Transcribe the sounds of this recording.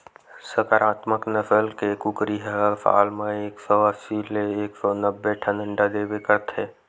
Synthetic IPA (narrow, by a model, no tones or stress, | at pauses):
səkəɾaːt̪məknəfʰəlkekʊkɾiɦəfʰa̰ːlmẽeːksɔəsileeːksɔnəbːeʈʰənə̃ɳɖad̪eːwekəɾt̪ʰeː